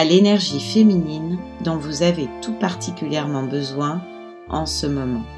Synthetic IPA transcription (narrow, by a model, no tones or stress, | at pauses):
alenɛʁʒifeminind̪ɔ̃vuzavet̪upaʁt̪ʰikʲyljɛʁmɑ̃bəzwɛ̃ | ʔɑ̃səmɔmɑ̃